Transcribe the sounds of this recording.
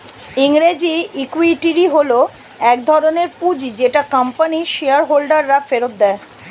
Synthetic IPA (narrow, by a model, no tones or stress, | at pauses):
iŋɾed͡ʑiikwiʈiɾiɦolo | ɛkd̪ʱɔɾoneɾpud͡ʑd͡ʑeʈakampaniʃeaɾɦolɖaɾːafeɾot̪̚d̪ɛe